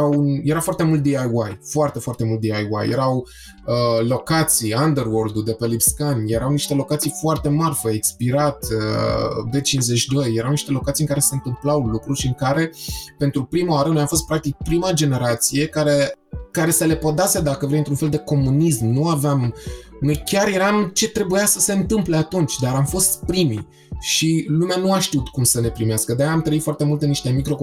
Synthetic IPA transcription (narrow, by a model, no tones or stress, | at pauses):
awunjeɾafoart̪e̞mult̪̚d̪iajwajfoart̪e̞foart̪e̞mult̪d̪iajwa̰jjḛɾaw | əlo̞kat̪sijand̪erword̪ud̪epelipskanje̞ɾawniʃt̪e̞lo̞kat̪sijfoart̪e̞marfeekspiɾat̪əbet͡ʃinzet͡ʃd̪o̞jːeɾawniʃt̪e̞lo̞kat̪siɨŋkaɾe̞se̞ɨnt̪ɨmplawlukɾuʃiɨŋkaɾe̞pe̞nt̪ɾupɾimaaɾənojafo̞s̬t̪pɾak̚t̪ik̚pɾimad͡ʒe̞ne̞ɾat̪sije̞kaɾe̞ | kaɾe̞səle̞pod̪ased̪akəvɾejɨnt̪ɾunfe̞ld̪e̞ko̞munismnuaveamnojkʲaɾje̞ɾamt͡ʃe̞t̪ɾe̞bujasəse̞ɨnt̪ɨmple̞at̪unt͡ʃʲd̪aɾamfo̞st̪pɾimi | ʃilumeanuaʃt̪iut̪kumsəne̞pɾimeaskəd̪ejamt̪ɾəit̪foart̪e̞mult̪enːiʃt̪e̞mikɾo̞k